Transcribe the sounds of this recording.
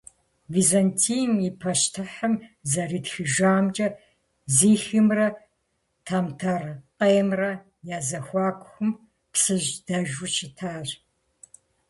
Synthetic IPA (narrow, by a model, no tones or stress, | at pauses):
vizantʰiːjmipʰɐʃtʰɨħəmzɐriːtxɨʒʷaːmt͡ʃʼɐ | ziːxɨmrɐ | tʰaːmtʰɐrqʼɐjɛmrɐ | jaːzɐxʷɑːkʷʼxʷʊm | psɨʒdɐʒʊt͡ʃʰɪtʰaːʒ